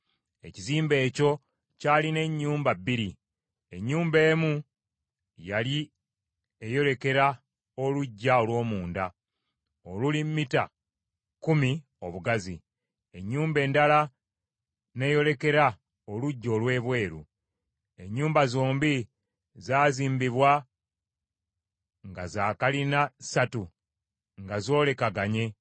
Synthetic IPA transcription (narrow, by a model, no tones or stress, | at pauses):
e̞̰ciziːmbe̞ːco̞ | caːline̞ɲːuːmbabːiɾi | e̞ɲːuːmbe̞ːmu | jali | e̞jo̞le̞ke̞ɾa | o̞luɟːao̞lwo̞ːmuːnda | olulimmita̰ | kumi | o̞βuɡazḭ | e̞ɲːuːmbe̞ːndala | ne̞ːjo̞le̞ke̞ɾa | oluɟːo̞ːlwe̞ːβwe̞ːɾṵ | e̞ɲːuːmbazoːmbi | zaːziːmbiβwa | ŋɡazaːkalinasatu | ŋɡazo̞ːle̞kaɡaɲe̞